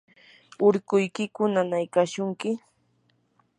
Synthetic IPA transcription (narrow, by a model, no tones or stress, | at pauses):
ʊɾkʊjkɪkʊnanajkaʃʊŋkɪ